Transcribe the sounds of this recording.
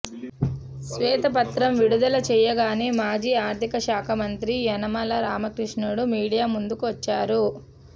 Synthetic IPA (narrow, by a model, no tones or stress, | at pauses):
sʋɛːt̪ɐpɐt̪ɾɐmʋiɽud̪ɐlɐt͡ʃɛːjɐɡaːneːmaːd͡ʒiːaːɾt̪ikɐʃaːkʰɐmɐnt̪ɾiɐnɐmɐlɐɾaːmɐkɾiʂɳuɽumiːɽijaːmund̪ukuʋɐt͡ʃːaːɾu